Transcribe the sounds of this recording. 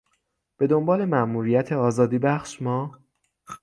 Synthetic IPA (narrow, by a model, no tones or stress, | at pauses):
b̥e̞d̪o̞mbɒːle̞mæʔmuːɾijæt̪ʰe̞ɒːzɒːd̪iːbæχʃmɒː